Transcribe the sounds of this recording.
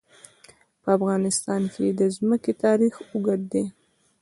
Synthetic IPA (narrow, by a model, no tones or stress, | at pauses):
pəafɣɑnɪst̪ɑnkʰed̪əzməket̪ɑɾixʊɡaɽd̪e